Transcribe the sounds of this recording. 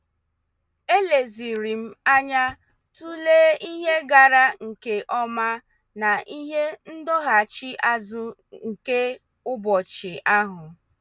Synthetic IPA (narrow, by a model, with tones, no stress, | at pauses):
e˦le˨zi˨ɾi˨m̩˦a˦ɲa˦ | tu˦leː˦i˦ɦe˦ɡa˨ɾa˦ŋ̩˨ke˦ʔɔ˦ma˦ | na˨ʔi˦ɦe˦n̩˦dɔ˦ɦa˨t͡ʃi˦ʔa˦zʊ˦ | ŋ̩˨ke˦ | ʊ˦bɔ˨t͡ʃɪ˨ʔa˦ɦʊ˨